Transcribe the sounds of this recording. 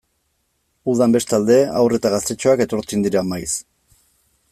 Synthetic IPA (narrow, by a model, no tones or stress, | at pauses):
uðambe̞st̪ald̪e̞a̰wre̞t̪aɣast̪e̞t͡ʃoake̞t̪o̞ɾt͡sind̪iɾamajs